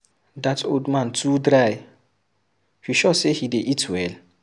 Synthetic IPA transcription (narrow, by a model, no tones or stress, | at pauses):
datʰoldmãntʰudɾaj | hiʃɔsehideʔitʰwɛl